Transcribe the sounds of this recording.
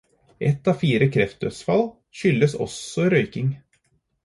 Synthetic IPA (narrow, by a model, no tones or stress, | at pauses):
ʔɛt̪ːɑːfiːɾəkʰɾɛft̪̚d̪œsfɑl | ʃʏlːəsɔ̰sɔɾœʏkɪŋ